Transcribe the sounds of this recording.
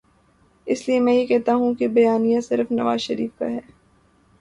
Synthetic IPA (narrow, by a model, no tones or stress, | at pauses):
ɪsliemɛ̃ːjekɛɦt̪aɦũkebɐjaːnijasɪɾfnɐʋaːzʃɐɾiːfka̰ɦɛː